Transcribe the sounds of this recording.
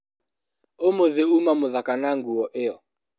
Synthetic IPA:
omoðeumamʊðakanaŋɡuɔʔeɔ

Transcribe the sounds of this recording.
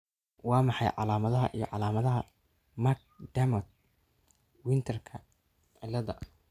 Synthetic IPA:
wɑːmɑħɑjʕɑ̰laːmɐðɐɦɐ̰ʔijɞ̰ʕɑlaːmɐðɐɦɐ | mak̚ | ɖ̪̥ɐmɐt̪̚ | wɪnt̪ʰɐrkʰɐ | ʕɛlɐðɐ̰

